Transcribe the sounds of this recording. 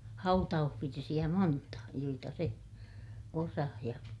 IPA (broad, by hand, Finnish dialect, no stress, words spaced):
hɑutɑuhʋirsij̆æ montɑ joitɑ se osɑh jɑ